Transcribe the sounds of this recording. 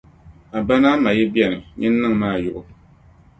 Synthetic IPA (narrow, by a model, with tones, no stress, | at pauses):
a˨ba˦naː˦ma˨jɛ˦bjɛ˨nɨ˨ɲɨ˦nː˦ɨ˦ŋ˨maː˦˨jʊ˦ʔʊ˨